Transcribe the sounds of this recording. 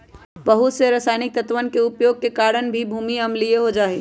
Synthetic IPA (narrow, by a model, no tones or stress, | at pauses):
bəɦʊt̪seɾɐsaːɪnɪk̚t̪ət̪ʋənkeʊpjoːɡ̚kekaːɾənbʱibʱuːmiɐmlieɦod͡ʒaːɦe